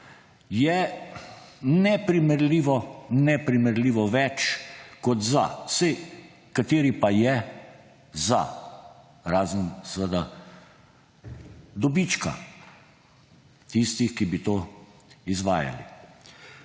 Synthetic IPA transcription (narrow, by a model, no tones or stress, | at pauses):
jɛ | nɛpɾimɛɾliːʋɔnɛpɾimɛɾliːʋɔʋɛt͡ʃkɔd̪za̰sɛ | kat̪eːɾipajɛ | za̰ | ɾaːzənsəʋəd̪a | d̪ɔbit͡ʃka̰ | t̪ist̪ixkibit̪oːizʋa̰ːja̰lḭ